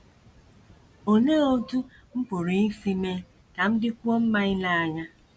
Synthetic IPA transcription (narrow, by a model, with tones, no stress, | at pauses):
o˨neː˦o˦tu˦ | m̩˦pʊ˨ɾi˨n̩˦fi˦me˦ | ka˨m̩˦dɪ˦kʷu˦o˦m̩˦ma˦ɪ˦la˦a˨ŋa˦